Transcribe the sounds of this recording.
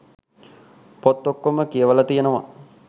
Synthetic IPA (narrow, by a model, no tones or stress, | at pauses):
pot̪ːokːoməkijəʋəlat̪ijenəʋa